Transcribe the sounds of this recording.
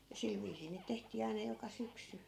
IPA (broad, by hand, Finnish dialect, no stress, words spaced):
jɑ sil ʋiːsiː niːt tehtiː ɑinɑ jokɑ syksy